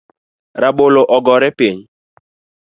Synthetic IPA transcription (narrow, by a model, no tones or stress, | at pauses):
ɾaɓoloʔɔɡɔɾɛpeɲ